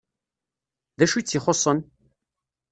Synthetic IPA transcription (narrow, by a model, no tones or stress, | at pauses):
ðæʃut͡sːiχosˤən